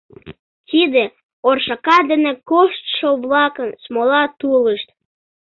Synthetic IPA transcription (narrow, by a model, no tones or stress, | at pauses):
t̪id̪e | orʃɑkɑd̪ənekoʃt̪ʃoβlɑkənsmolɑt̪uləʃt̪̚